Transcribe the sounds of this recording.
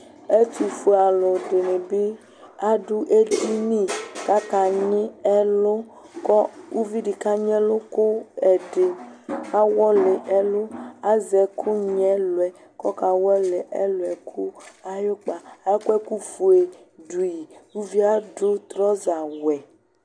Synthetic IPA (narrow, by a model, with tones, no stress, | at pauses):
e˦t̪i˨fu˨˦a˨lo˨ɖe˨me˨be˦ | a˦ɖu˦ʔe˦i˦nĩ˦ka˦ka˨ɲẽ˦ɛ˦lo˦ | kɔ˦wu˦vi˦ɖi˨ka˦ɲ˦ɛ̃˦lo˦ko˦ɛ˨ɖe˨a˦wɔ˦le˨ʔɛ˦lo˦a˦zɛ˨kʰo˦ɲɛ̃˦lo˨ɛ˨ | kɔ˦ka˨wɛ˦le˨ʔɛ˦lo˨ɛ˨kʰu˦a˦jo˦k͡pa˨a˨jo˦kɛ˦ku˦fu˨e˨ɖu˨i˨wu˦vi˦a˦ɖo˦t̪ɾɔ˦za˨wɛ˨